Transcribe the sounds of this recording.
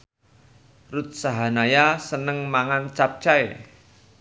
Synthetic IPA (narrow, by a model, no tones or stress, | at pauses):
rut̪̚saɦanajasənəŋmaŋant͡ʃap̚t͡ʃae